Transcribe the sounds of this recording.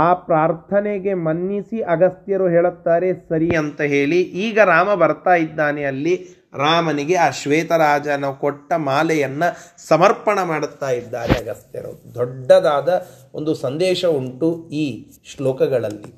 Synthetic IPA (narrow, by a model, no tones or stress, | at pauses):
aːpɾaːɾt̪ʰɐneɡe̞mɐnːisiʔɐɡɐst̪jɐɾuɦeːɭut̪ːaːɾe̞sɐɾiɐnt̪ɐɦeːɭiʔiːɡɐɾaːmɐbɐɾt̪aːjid̪ːaːneɐlːi | ɾaːmɐniɡe̞aːʃʋeːt̪ɐɾaːd͡ʒɐnɐkoʈːɐmaːlɛjɐnːɐsɐmɐɾpɐɳɐmaːɽut̪ːaːjid̪ːaːɾḛɐɡɐst̪jɐ̰ɾṵd̪ɔɖːɐd̪aːd̪ɐond̪usɐnd̪ɛːʃɐuɳʈuiː | ʃloːkɐɡɐɭɐlːḭ